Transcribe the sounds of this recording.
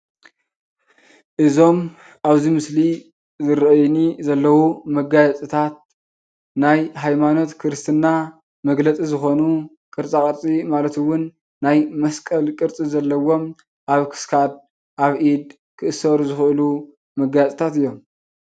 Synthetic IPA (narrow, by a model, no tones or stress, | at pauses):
ʔɨzo̞m | ʔaβzimɨsli | zɨɾɐjnizɐlːɐwumɐɡajat͡sʼit̪ʰat̪̚ | najɦajmano̞t̪kʰɨɾɨst̪ʰɨnːa | mɐɡlɐt͡sʼizɨxo̞nu | kʼɨɾt͡sʼakʼɐɾt͡sʼimalɐt̪ɨwʊnː | ajmɐskʼɐlkʼɨɾt͡sʼizɐlːɐwo̞m | ʔaβkʰɨ̥skʰad̪̚ | ʔaβʔid̪ | kʰɨʔɨsɐɾuzɨxʔɨlu | mɐɡajat͡sʼt̪ʰat̪ɨjːo̞m